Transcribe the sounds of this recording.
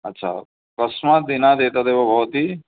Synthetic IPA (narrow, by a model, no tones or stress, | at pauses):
ətːʃʰa̰ | kəsmãd̪ɪnad̪eːt̪ad̪ebobʱɔːt̪i